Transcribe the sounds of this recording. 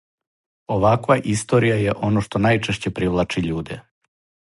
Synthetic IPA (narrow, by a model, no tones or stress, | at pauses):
o̞ʋakʋaʔist̪o̞ɾijaje̞ʔo̞noʃt̪onajt͡ʃeʃt͡ɕe̞pɾiʋlˠat͡ʃiʎuːd̪e